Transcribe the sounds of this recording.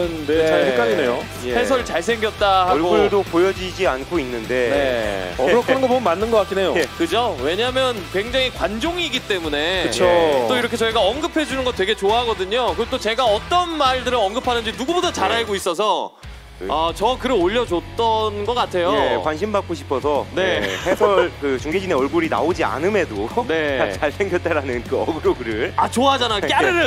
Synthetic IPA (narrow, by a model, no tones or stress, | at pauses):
ɯndeak͈aɲinejo | jes̬ʰʌɾɭt͡ɕaɭs̬ʰe̞ŋɡjʌt̚t͈ahaɭɡouɭdopojʌd͡ʑid͡ʑiankʰoinːɯnde̞ne̞ɾʌkʰɯnɯnɡʌbonmanːɯnɡʌk͈ak͈inejoekɯd͡ʑowe̞ɲamjʌnkwe̞ŋd͡ʑaŋikwand͡ʑoŋiɡit͈e̞mune̞ɯt͡ɕʰot͈oiɾʌkʰe̞t͡ɕʌiɡaʌnɡɯpʰe̞d͡ʑunɯnɡʌtwe̞ɡe̞t͡ɕoaɦaɡʌdɯɲokɯet͈ot͡ɕe̞ɡaʌt͈ʌnmaɭdɯɾɯɭʌŋɡɯpʰanɯnd͡ʑinuɡubodat͡ɕaɾaɭɡois͈ʌs̬ʰʌ | at͡ɕʌkɯɾɯɭoʎːʌd͡ʑot͈ʌnɡʌk͈atʰe̞jojewanɕʰimbak̚k͈oɕʰi̥pʰʌsʰʌne̞hesʰʌɭkɯt͡ɕuŋɡed͡ʑine̞ʌɭɡoɾina̰od͡ʑia̰nɯme̞done̞at͡ɕaɭsʰeŋɡjʌt͈eɾanɯnkɯʌɡɯɾoɡɯɾɯɭat͡ɕoaɦad͡ʑanajokjaɾɯɾɯ